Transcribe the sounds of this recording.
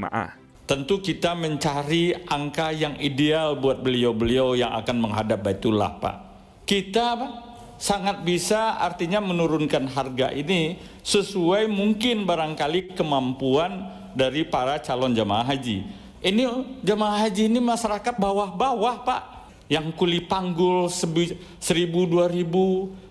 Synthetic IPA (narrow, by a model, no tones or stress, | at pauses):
a̰ʔa̰ | t̪ənt̪ukit̪aməɲt͡ʃaɾiʔaŋkajaŋidealbuat̪̚bəliawbəliawjaŋa̰kanməŋɦadap̚bait̪ula̰hpa̰ʔ | kit̪apaʔ | saŋat̪̚bisaart̪iɲamənuɾʊnkanɦarɡaʔini | səsuajmuŋkɪnbaɾaŋkalikəmampuan | daɾipaɾat͡ʃalɔnd͡ʒama̰aɦad͡ʒḭ | inid͡ʒamaaɦad͡ʒiːnimaʃaɾakat̪̚bawahbawahpaʔ | jaŋkulipaŋɡʊlsəbi | səɾibuduaɾibu